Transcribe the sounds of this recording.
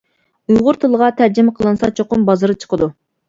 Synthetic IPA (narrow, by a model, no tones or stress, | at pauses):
ujʁʊɾt̪ʰɨlˠəʁɑt̪ʰæɾd͡ʒɪmɛqʰəlˠɨnsɑt͡ʃʰoqʊmbɑzɨɾɨt͡ʃʰə̥qʰəd̪u